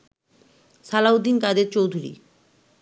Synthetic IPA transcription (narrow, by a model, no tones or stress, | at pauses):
salaud̪ːinkad̪eɾt͡ɕowd̪ʱuɾḭ